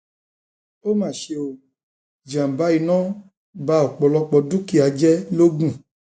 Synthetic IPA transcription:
o˦mãː˦˨ʃe˧o˧˨ | d͡ʒã˨ba˨˦i˨˧nɔ̃˦ | ba˧˦ɔ˨k͡pɔ˨lɔ˧k͡pɔ˧du˦ki˦˨a˨d͡ʒɛ˦lo˦ɡũ˦˨

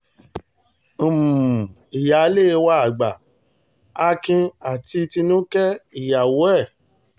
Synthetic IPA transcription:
m˨ | i˨ja˨˦le˦˨˧wa˦a˦˨ɡ͡ba˨ | a˧kĩ˧a˨ti˧ti˧nũ˦kɛ˦i˨ja˨wo˨˦ɛ˦˨

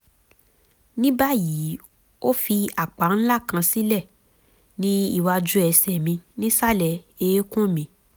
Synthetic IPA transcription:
nĩ˦ba˦ji˨˦ | o˦fi˧a˨k͡pa˨˦n̩˦la˦˨kã˧si˦lɛ˦˨ | nĩ˦ḭ˦˨wa˧d͡ʒu˦ɛ˧sɛ˨mĩ˧nĩ˦sa˦˨lɛ˨ | e˧e˦kũ˦˨mĩ˧

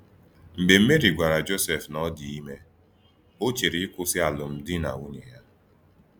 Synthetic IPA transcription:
m̩˨be˨m̩˦me˦ɾi˨ɡʷa˨ɾa˨d͡ʒo˦sɛ˨fnɔ˦di˨i˦me˦ | o˦t͡ʃe˨ɾi˦kʷʊ˦sɪ˦a˨lʊ˨m̩˦dɪ˦na̰˨wu˦ɲe˨ja˦

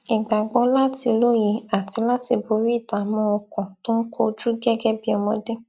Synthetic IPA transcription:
ɛ˨ɡ͡ba˨ɡ͡bɔ˧˦la˦ti˧lo˦ji˧a˨ti˧la˦ti˧bo˧ɾi˦˨ta˨mɔ̃˨˧˦o˧kɔ̃˨to˦n̩˦kʰo˦˧d͡ʒu˦ɡɛ˦ɡɛ˦bi˦ɔ˧mɔ̃˧de˦

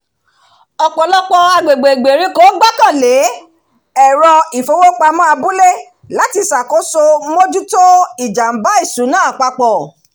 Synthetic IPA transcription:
ɔ˧k͡pɔ˨˦lɔ˦k͡pɔ˧a˧ɡ͡be˨ɡ͡be˨ɡ͡be˨ɾĩ˦ko˦ɡ͡ba˦kã˦˨le˨˦ | ɛ˨ɾɔ˧i˨fo˧˦wo˦k͡pa˧mã˦a˧bũ˦le˦ | la˨˦ti˧sa˨ko˨˦so˧˦mo˦d͡ʒu˦to˦i˦˨d͡ʒa˨m̩˨˦ba˦i˦˨sũ˨˦nãː˦a˨k͡pa˧k͡pɔ˨

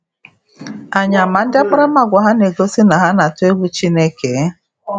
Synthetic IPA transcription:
a˨ɲa˨ma˨n̩˦dɪ˦a˦k͡pa˦ɾa˦ma˨ɡʷa˨ɦa˦ne˨ɡo˦si˦na˨ɦa˦na˨tʊ˦e˦ɡʷu˦t͡ʃi˦ne˦ke˨˦

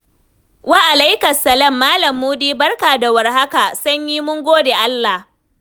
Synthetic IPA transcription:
waː˦ʔa˨la˦jkɐ˨sɐ˨lɐ˦mːaː˦lɐ˨mːuː˦diː˦bɐ˦rka˨da˨wɐ˨rɦa˦ka˨sɐ˦ɲjiː˦mʊ˦ŋɡʷoː˦deː˨ʔa˦lːa˨h

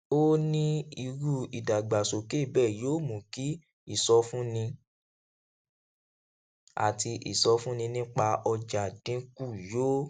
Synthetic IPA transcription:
o˦nĩ˦i˧ɾu˦i˨da˨ɡ͡ba˨so˨ke˦˨bɛː˦˨joː˦mũ˨ki˨˦ | i˦˨sɔ˧fũ˦nĩ˧ | a̰˨ti˧ʔḭ˨sɔ˧fũ˦nĩ˧nĩ˦k͡pa˧ɔ˧d͡ʒa˨dĩ˨˦ku˦˨joː˦

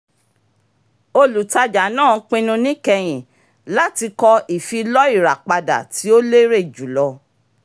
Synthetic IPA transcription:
o˧lu˨ta˧d͡ʒa˨˦nãː˦˨˦k͡pĩ˧nũ˧nĩ˦kɛ˧j̃ĩ˨ | la˦ti˧kɔ˧i˨fi˧lɔ˦i˦˨ɾa˨k͡pa˧da̰˨ti˨˦o˦le˦ɾe˦˨d͡ʒu˨˦lɔ˧

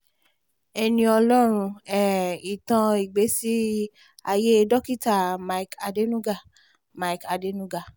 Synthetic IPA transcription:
ɛ˧nĩ˧ɔ˧lɔ˦ɾ̃ũ˧ɛ˦˨i˨tã˧i˨ɡ͡be˨˦si˦ | a˧je˦˧dɔ˦ki˦˨ta˦˨ma˦i˦ka˧de˦nũ˦ɡa˦˨ | ma˦i˨ka˧de˨˦nũ˦ɡa˦˨

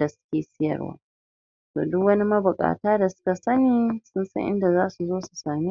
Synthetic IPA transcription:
da˨sʊ̥˦kʲeː˨sɪ˦jɐ̰˨rwa̰ː˦ | to̰ː˨dʊ˦kwɐ˦ni˦mɐ˦bʊ˨kʼa̰ː˨taː˦da˨sʊ̥˦ka˨sɐ˦niː˦sʊ˦nsɐ̰˦ʔɪ̰˦nda˨zaː˦su˨zoː˦su̥˨saː˨me˦

